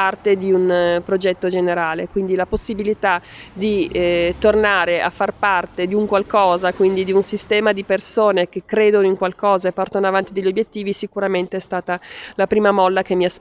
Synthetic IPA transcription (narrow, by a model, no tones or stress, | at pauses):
art̪ed̪iunpɾod͡ʒɛt̪ːod͡ʒeneɾaːlekwind̪ilaposːibilit̪a | d̪it̪ornaːɾeʔa̰fːarpart̪ed̪iuŋkwalkɔːzakwind̪id̪iunsist̪ɛːmad̪ipersoːnek̟ekːɾeːd̪onoiŋkwalkɔːzaepːɔrt̪onoavant̪id̪eʎːobjet̪ːiːvisikuɾament̪eɛst̪aːt̪alapɾiːmamɔlːakemːias